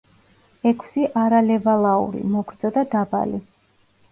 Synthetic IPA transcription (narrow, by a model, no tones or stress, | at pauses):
ɛkʰsiʔaɾalɛvalˠaṵɾḭmɔɡɾd̪zʼɔd̪ad̪aba̰li